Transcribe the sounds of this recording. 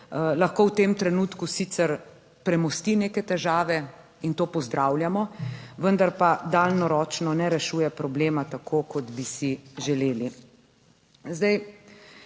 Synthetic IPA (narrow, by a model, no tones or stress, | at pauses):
laxkowt̪eːmt̪ɾɛnuːt̪kusit̪sɛɾ | pɾɛmɔst̪ineːkɛt̪ɛʒaːʋɛ | int̪oːpɔzd̪ɾawlʲjamɔʋənd̪aɾpad̪aːlnɔɾɔːt͡ʃnɔnɛɾɛʃuːjɛpɾɔbleːmat̪akʰoːkɔd̪bisiʒɛleːli | zd̪aj